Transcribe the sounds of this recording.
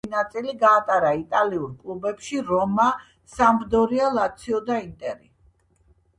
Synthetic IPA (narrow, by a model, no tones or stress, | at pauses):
inat̪sʼiliɡaːt̪ʼaɾait̪ʼaliuɾkʼlˠubɛpʃiɾɔma | samɾd̪ɔɾialˠat̪sʰiɔd̪aint̪ʼɛɾi